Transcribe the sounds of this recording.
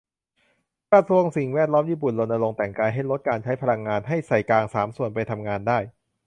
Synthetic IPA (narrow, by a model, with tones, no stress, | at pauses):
kɾa˧su˧əŋsi˨˩ŋwɛː˥˩t̪̚lɔː˦˥mjiː˥˩pu˨˩nlo˧nʔa˧lo˧ŋt̪ɛ˨˩ŋkaː˧jɦa˥˩jlo˦˥t̪̚kaː˧nt͡ɕʰa˦˥jpʰa˧la˧ŋːaː˧nɦa˥˩jsa˨˩jklaː˧ŋsaː˩˦msu˨˩ənpa˧jt̪ʰa˧mŋaː˧ndaː˥˩j